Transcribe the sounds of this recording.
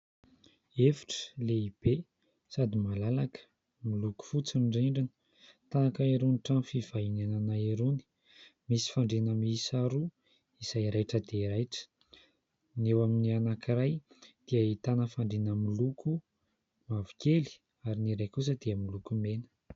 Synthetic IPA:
efi̥ʈ͡ʂə̥leib̥e | sad̪imalalakə̥ | miluku̥fut͡siɳɖ͡ʐiɳɖ͡ʐinə̥ | t̪aakaiɾuniʈ͡ʂanfiv̥ainananaeɾuni̥ | misi̥faɳɖ͡ʐenəmisaɾu | izajɾajʈ͡ʂəd̪eiɾajʈ͡ʂə̥ | newaminianakiɾaj | d̪̥iəit̪anəfaɳɖ͡ʐenəmiluku | mavikeli̥ | aɾiniɾajkus̬əd̪̥eəmilukumenə̥

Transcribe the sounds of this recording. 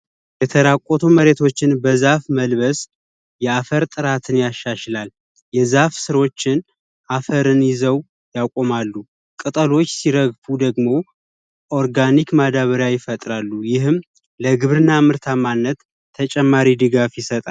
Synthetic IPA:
jɛt̪ʰəɾakʷʼot̪ʰuməɾe̞t̪ʰo̞t͡ʃːɪnbəzafməlβəs | jɛafəɾt̪ʼɨɾat̪ʰɨnjaʃːaʃlal | jɛzafsɨɾo̞t͡ʃːɪn | ʔafəɾɨnjɪzəw | jakʼo̞malːu | kʼɨt̪ʼəlo̞t͡ʃːsiɾəɡfud̪əɡmo̞ | ʔo̞ɾɡanikmad̪aβəɾjajɪfət̪ʼɾalːujɪɦɨm | ləɡɨβɾɨnːamɨɾt̪ʰamanːət̪ʰː | ət͡ʃʼɛmːaɾid̪ɨɡafjɪsət̪ʼal

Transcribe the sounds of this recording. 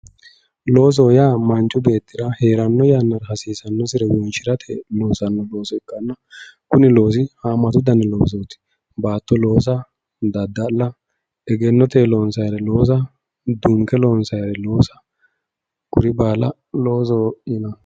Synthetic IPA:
loːs̬oːjaːmɐnt͡ʃʼʊbe̞ːt̪ːɪɾɐhe̞ːɾɐnːɔjaːnːɐɾhɐsiːsɐnːɔsɪɾɛwɔnʃɪɾɐt̪ʰeloːsɐnːɔlo̞ːsɔɛkːɐnːɐkʊnɪlo̞ːs̬ɪhaːmːɐt̪ʊd̪ɐnɛloːs̬oːt̪ɪ̥ | baːt̪ːɔlo̞ːs̬ɐ | d̪ɐd̪ːɐlːɐ | ɛɡɛnːɔt̪eːlo̞ːnsɐjɾɛlo̞ːs̬ɐ | d̪uːŋkɛlo̞ːnsɐjɾɛlo̞ːsɐ̥ | kʊɾɪbaːlɐ | lo̞ːs̬oːɪnɐ

